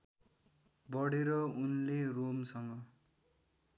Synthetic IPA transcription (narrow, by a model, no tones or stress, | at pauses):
bʌɽeɾʌunleromsʌŋɡʌ